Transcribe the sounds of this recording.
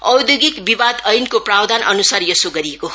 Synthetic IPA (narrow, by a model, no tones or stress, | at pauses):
ʌwd̪joɡikbibad̪ʌjnkoprawd̪ʱanʔʌnusarjʌsoɡʌɾiekoɦ